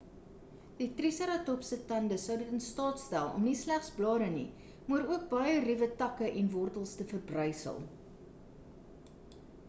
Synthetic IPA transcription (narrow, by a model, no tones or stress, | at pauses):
d̥itrisəɾɑtɔpsətɐndəsəwdətənstɑːtstælˠɔ̰mnislæχsblɑːɾənḭ | muəɾuək̚bɐjərivətɐkəʔɛnvɔrtəlˠstəfərbrœjsə̰lˠ